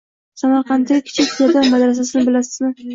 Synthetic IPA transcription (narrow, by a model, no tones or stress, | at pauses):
samaɾqɑnt̪ʰɪɪkʲʰɪ̥t͡ʃʰɪk̪ʲʰad̪amad̪ɾas̬as̬ɪnɪbɪlasɪ̥zmɪ